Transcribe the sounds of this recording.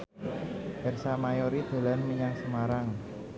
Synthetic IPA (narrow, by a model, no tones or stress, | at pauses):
ʔɛrsamajoɾid̪̥a̤lanmiɲaŋsəmaɾaŋ